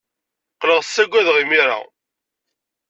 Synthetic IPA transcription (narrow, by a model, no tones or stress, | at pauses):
qləʁsːæɡʷæðʁimiɾa̰